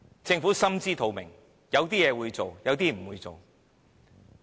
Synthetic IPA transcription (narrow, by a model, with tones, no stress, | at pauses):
t͡sɪ˧ŋfu˨˥sɐ˥mt͡siː˥t̪ʰo˨˧wmɪ˨˩ŋ | jɐ˨˧wt̪iː˥jɛː˨˧wuː˨˧jt͡so˨wjɐ˨˧wt̪̬iː˥m̩˨˩wuː˨˧jt͡so˨w